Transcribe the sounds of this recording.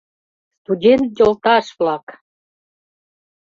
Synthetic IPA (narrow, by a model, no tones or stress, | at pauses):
st̪udʲent̪d̪ʲolˠt̪ɑʃβlɑk